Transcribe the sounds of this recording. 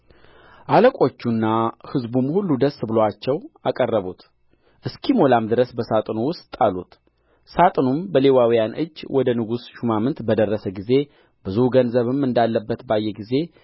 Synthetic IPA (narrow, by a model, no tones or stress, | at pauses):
ʔaləkʷʼo̞t͡ʃːunːahɨzbumhulːud̪əsːbɨlowat͡ʃːɛwakʼərːəβut̪ | ʔɨskʰimo̞lamd̪ɨɾəsbəsat̪ʼnuwʊst̪ʼalut̪ | sat̪ʼnumbəle̞wawijanʔɨ̰d͡ʒːwʔɔd̪ənɨɡusʃumamɨnt̪bəd̪ərːəsəɡize̞ | bɨzuhɡənzəβɨmːɨnd̪alːəbːət̪bajːɛɡize̞